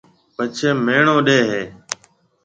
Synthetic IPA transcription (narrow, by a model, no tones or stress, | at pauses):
pət͡ʃʰeːmeːɳõːɗeːɦeː